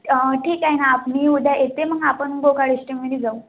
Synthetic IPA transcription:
ʈʰiːkaɦjnaːpniːud̪ʱjajet̪eməɡapənɡokaɽiɕʈemed̪iːd͡zaũ

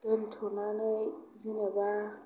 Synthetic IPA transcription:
den̩tʰɔnanɛzinɛɓa

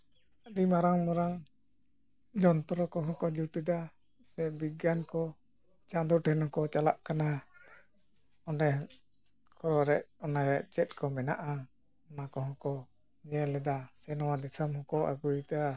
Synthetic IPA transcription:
aɖimaɾaŋmɔɾaŋ | d͡ʒɔnt̪ɔɾɔkɔɦɔ̃kɔd͡ʒut̪ud̪a | sɛbiɡankɔ | t͡ʃad̪uɾʈʰɛnɔ̃kɔt͡ʃala̰ʔkana | ɔnɛ | kʰɔɾɔɾɛʔɔnaɾɛʔt͡ʃɛt̪̚kɔmɛnaʔa | ɔnakɔɦɔ̃kɔ | ɲɛlɛd̪asɛnɔwad̪isamhɔ̃kɔʔa̰ɡujt̪a

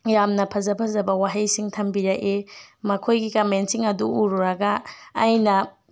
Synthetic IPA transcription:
jamnɐpʰɐzɐpʰɐzɐbɐwaɦɐjsiŋtʰɐmbiɾaʔemɐkʰojɡikɐmensiŋɐduuɾuɾɐɡɐːjnɐ

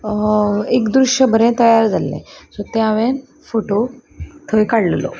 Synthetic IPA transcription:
ekd̪ɾuɕjəbʱəɾẽt̪əjaɾd͡zalːḛ̃sot̪ãʋen | foʈot̪ʰəjkaɽllo̰

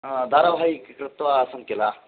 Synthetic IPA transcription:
d̪ʱaːɾɐbʱaːjikkɾɪt̪ʋasɐŋkela

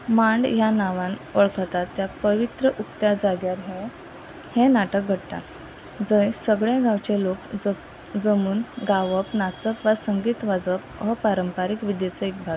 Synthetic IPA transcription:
mãɳɖjanaʋanʋəɭkʰət̪at̪ːjapəʋit̪ɾəʔukt̪jad͡zaɡjaɾɦẽ | hẽnaʈək̚ɡʱəɽt̪a̰t̪ | d͡zəjsəɡɭẽɡãʋt͡ɕelok | d͡zəmuːnɡaʋəpnat͡səpʋasəŋɡiːt̪ʋad͡zəp̚ɦəpaɾəmpaɾikʋid̪jet͡səik̚bʱa

